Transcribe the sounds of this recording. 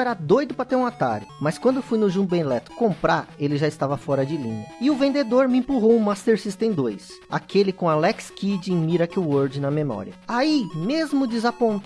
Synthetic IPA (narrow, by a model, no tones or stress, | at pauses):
ɛɾɐd̪ojd̪ʊpɾɐt̪eɾũat̪a̰ɾʊmɐskwɐ̃nd̪ʊfujnʊʒũbẽlɛt̪ʊ̥kõmpɾaɾelɪʒaɪst̪avɐfɔɾɐd͡ʒɪlĩɲɐɪʊvẽnd̪ed̪oɾmɪẽpuɦowʊ̃mast̪eɾsist̪ẽj̃d̪ojs | a̰kelɪkõalɛkskid͡ʒɪẽj̃miɾakwoɾd͡ʒɪnɐmemɔ̰ɾḭɐaimezmʊd͡ʒɪzapõnt̪